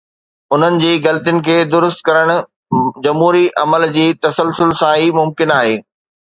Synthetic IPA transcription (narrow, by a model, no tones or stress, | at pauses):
ʊn̤ənɪ̆d͡ʑiːɡɐlt̪ijʊnɪ̆kʰeːd̪ʊɾʊst̪kɐɾəɽ̃ʊ̆ | d͡ʑɐmɦuːɾiʔɐməld͡ʑiːt̪ɐsəlsʊlsãɦiːmʊmkɪnaːɦeː